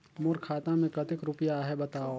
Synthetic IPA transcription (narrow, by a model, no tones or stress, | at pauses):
mʊɾkʰaːt̪ãmẽkɐt̪ɪkɾʊpijaɦɛbɐt̪aːo